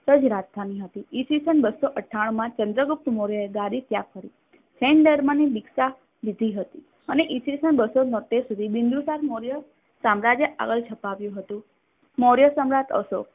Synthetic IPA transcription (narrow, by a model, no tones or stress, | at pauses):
səd͡ʒɾat̪t̪ʰaniɦət̪iisisənbəsoʔəʈʰːaɽ̃ũmãt͡ʃənd̪ɾəɡup̚t̪moɾjəeɡaɾit̪jakfəɾi | sʰɛɳɖəɾmənibiksa | ʋid̪ʱiɦət̪i | əneʔisisənbəsonət̪esud̪ʱibind̪usaɾmoɾjə | samɾad͡ʒjəʔa̰ɡəlt͡ʃʰəpaʋjũɦət̪ũ | moɾjəsəmɾat̪ə̰ʃo̰